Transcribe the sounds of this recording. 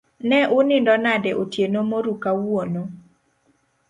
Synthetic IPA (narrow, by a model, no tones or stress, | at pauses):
nɛʔʊnɪndɔnadɛʔotjenomoɾukawuono